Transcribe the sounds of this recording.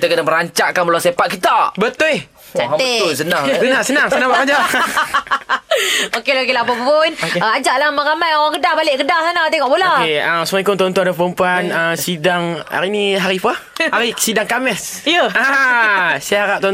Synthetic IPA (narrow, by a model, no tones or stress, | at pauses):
kit̪akənaməɾaɲt͡ʃaʔkanbəlasepaʔ̪̚kit̪abət̪ʊleh | t͡ʃaeʊs̬ənasənãŋsənaŋsənãŋbakad͡ʒa | okelakelapappʊnokeəad͡ʒaʔlamaŋɣamajoɣaŋɡədahbalɪʔɡədasanat̪eŋɔʔbolakeəmsəmaikʊnt̪ont̪ɔdapəəmpuanəsidaŋa̰ɾiniɦaɾipahaɾisidaŋkamɛsijəa | siaɾaʔ̚t̪o